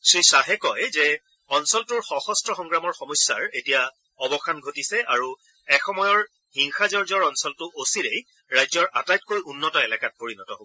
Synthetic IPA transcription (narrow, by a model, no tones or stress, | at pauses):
sɹisaɦɛkɔjzɛ | ɔnsɔltʊɹxɔxɔstɹɔxɔŋɡɹamɔɹxɔmɔjsːa̰ɹetija | ɔbɔxanɡʱotisɛaɹu | ɛxɔmɔjɔɹ | hiŋxazɔɹzɔɹɔnsɔltʊʔosiɹej | ɹajzɔɹʔa̰tajt̚kojunːɔtɔɛlɛkat̚poɹinɔtɔ̰ɦob